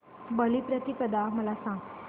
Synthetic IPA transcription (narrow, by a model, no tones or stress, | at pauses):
bəlipɾət̪ikəd̪aməlasãŋɡ